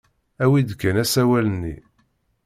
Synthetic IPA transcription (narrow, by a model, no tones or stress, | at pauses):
æwid̪kːænæsæwælənːḭ